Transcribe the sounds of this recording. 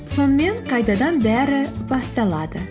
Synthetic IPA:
so̞nəme̞ŋqʰɑjt̪ɑd̪ɑnbæɾɪb̥ɑst̪ɑlˠɑd̪ə

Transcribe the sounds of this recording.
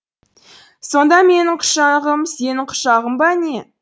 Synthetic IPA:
so̞nd̪ɑme̞nɪɴqʰʊ̥ʃɑʁəmse̞nɪɴqʰʊ̥ʃɑʁəmbɑne̞

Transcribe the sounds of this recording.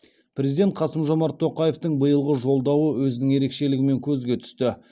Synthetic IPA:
pre̞zid̪et̪qʰɑsəmʒo̞mɑɾt̪ʰːo̞qɑje̞ft̪əɴbəjəlˠʁəʒo̞lˠd̪ɑwəwɵzɪnɪŋje̞ɾe̞kʃe̞lɪɡʲɪme̞ŋkʲʰɵzɡʲe̞t̪ʰʏ̥st̪ɪ

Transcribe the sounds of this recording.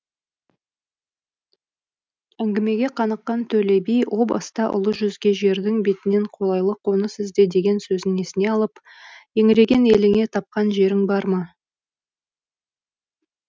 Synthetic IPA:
æŋɡʲɪme̞ɡʲe̞qʰɑnəqːɑnt̪ʰɵle̞bijwʔo̞bɑ̰st̪ɑʔʊ̰lˠəʒʏzɡʲe̞ʒe̞ɾd̪ɪŋbe̞t̪ɪne̞ɴqʰo̞lˠɑjlˠəqʰo̞nəsɪzd̪e̞d̪e̞ɡʲe̞nsɵzɪŋesɪne̞ɑlˠəp | je̞ŋɪɾe̞ɡʲe̞ne̞lɪŋe̞t̪ʰɑp̚qɑnʒe̞ɾɪŋbɑɾmɑ

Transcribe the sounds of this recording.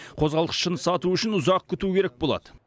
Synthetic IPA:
qʰo̞zʁɑlˠəsʃənəsɑt̪uʏʃɪnʊzɑq̚kʲʰʏt̪ukʲʰe̞ɾek̚bolˠɑ̰d̪ə

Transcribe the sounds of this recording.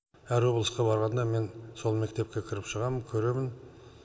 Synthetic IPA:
æɾwoblˠəsqɑbɑɾʁɑnd̪ɑme̞nso̞lˠme̞k̚t̪e̞p̚kʲe̞kʲʰɪɾɪpʃəʁɑmənkʲʰɵɾe̞mɪn

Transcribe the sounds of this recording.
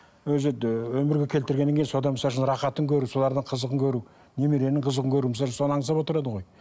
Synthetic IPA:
wɵzɪwɵmɪɾɡʲe̞kʲʰelt̪ɪɾɡʲenːeŋʲkʰejɪnso̞d̪ɑnməsɑʃənɾɑqɑt̪əŋkʲʰɵɾuso̞lˠɑɾd̪əɴqʰəzəqəŋkʲʰɵɾu | ne̞meɾe̞ɾnɪŋqʰəzəqəŋkʲʰɵɾumsɑʃnso̞nəɑŋəsɑpwo̞t̪əɾɑd̪əʁo̞j

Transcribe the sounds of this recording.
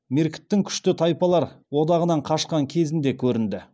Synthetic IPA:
meɾkʲɪ̥t̪ːɪŋkʲʰʏ̥ʃt̪ɪt̪ʰɑjpɑlˠɑɾwo̞d̪ɑʁənɑɴqʰɑʃqɑŋkʲʰe̞zɪnd̪e̞kʲʰɵɾɪnd̪ɪ

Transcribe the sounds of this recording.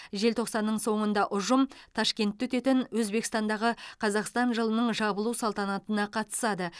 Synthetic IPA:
ʒe̞lt̪ʰo̞qsɑnːəɴso̞ɴənd̪ɑʔʊʒəmt̪ʰɑʃkʲe̞nt̪ːɵt̪e̞t̪ɪnwɵzbe̞kst̪ɑnd̪ɑʁəqʰɑzɑqst̪ɑnʒəlˠənəɴʒɑbəlˠusɑlˠt̪ɑnɑt̪ənɑqʰɑt̪ə̥sɑd̪ə

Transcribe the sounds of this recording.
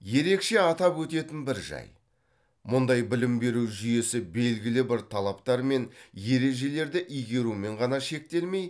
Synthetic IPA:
je̞ɾe̞kʃe̞ɑt̪ɑpwɵt̪e̞t̪ɪnbɪɾʒɑ̰j | mʊnd̪ɑjbɪlɪmbe̞ɾuwʒʏje̞sɪbe̞lɡʲɪlɪbɪɾt̪ʰɑlˠɑp̚t̪ɑɾme̞nje̞ɾe̞ʒe̞le̞ɾd̪ɪʔijɡʲe̞ɾume̞ɴʁɑnɑʃe̞k̚t̪e̞lme̞j

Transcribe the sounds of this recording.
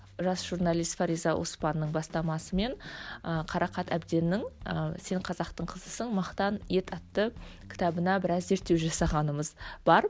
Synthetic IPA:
ʒɑsʒ̥urnɑlˠijst̪faɾijzɑwʔo̞spɑnːəɴbɑst̪ɑmɑsəme̞ɴəqʰɑɾɑqɑt̪æ̰bd̪e̞nːɪŋse̞ɴqʰɑzɑqt̪əɴqʰəzəsəɴmɑqt̪ɑnje̞t̪ʰɑt̪ːəkʲɪ̥t̪ɑbənɑbɪɾɑzːe̞ɾt̪ːe̞wʒɑsɑʁɑnəməzb̥ɑɾ

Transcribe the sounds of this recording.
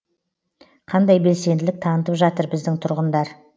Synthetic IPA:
qʰɑnd̪ɑjbe̞lse̞nd̪ɪlɪk̚t̪ʰɑnət̪əpʒɑt̪əɾbɪzd̪ɪŋt̪ʰʊɾʁənd̪ɑɾ

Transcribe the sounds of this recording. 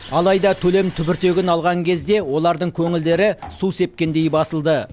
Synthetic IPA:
ɑlˠɑjd̪ɑt̪ʰɵle̞mt̪ʰʏbɪɾt̪e̞ɡʲɪnɑlˠʁɑŋkʲʰe̞zd̪e̞wo̞lˠɑɾd̪əɴkʲʰɵŋɪld̪e̞ɾɪsuse̞p̚kʲe̞nd̪e̞jbɑsəlˠd̪ə

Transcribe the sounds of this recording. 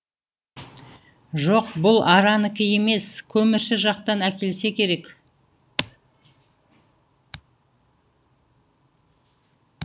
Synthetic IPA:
ʒoqbʊlˠɑɾɑnəkʲɪje̞me̞skʲʰɵmɪɾʃɪʒɑqt̪ɑnækʲe̞lse̞kʲʰe̞ɾe̞k

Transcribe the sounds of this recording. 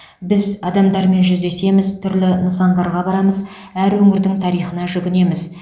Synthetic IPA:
bɪzɑd̪ɑmd̪ɑɾme̞nʒʏzd̪e̞se̞mɪzt̪ʰʏɾlɪnəsɑnd̪ɑɾʁɑbɑɾɑməz | æɾwɵŋɪɾd̪ɪŋt̪ʰɑɾijχənɑʒʏɡʲɪne̞mɪz

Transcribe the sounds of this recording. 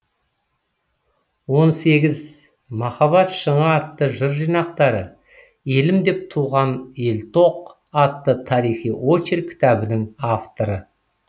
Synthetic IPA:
wo̞nse̞ɡʲɪz | mɑχɑβɑt̪ʃəɴɑːt̪ːəʒəɾʒijnɑqt̪ɑɾə | e̞lɪmd̪e̞p̚t̪ʰuʁɑne̞lt̪ʰo̞q | ɑt̪ːət̪ʰɑɾijχijwo̞t͡ʃeɾkʲʰɪ̥t̪ɑbɪnɪŋaft̪o̞ɾə

